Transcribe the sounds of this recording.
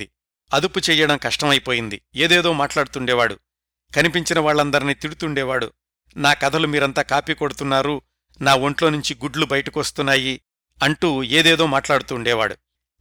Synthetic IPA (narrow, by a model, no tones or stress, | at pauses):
i | ɐd̪uput͡ʃɛːjɐɽɐmkɐʂʈɐmɐjpoːjind̪ḭeːd̪ɛːd̪o̞ːmaːʈlaːɽut̪uɳɖɛːʋaːɽṵ | kɐnipiɲt͡ʃinɐʋaːɭːɐnd̪ɐɾiniːt̪iɽut̪uɳɖɛːʋaːɽṵ | naːkɐd̪ʰʱɐlumiːɾɐnt̪aːkaːpiːkoɽut̪unːaːɾu | naːo̞ɳʈlo̞ːnuɲt͡ʃiɡuɖlubɐjɐʈɐkʋɐst̪unːaːji | ɐɳʈuːeːd̪ɛːd̪o̞ːmaːʈlaːɽut̪uːɳɖɛːʋa̰ːɽu